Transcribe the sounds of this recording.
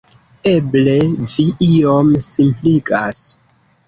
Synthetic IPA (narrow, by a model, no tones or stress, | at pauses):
e̞ble̞viʔiomsimpliɡas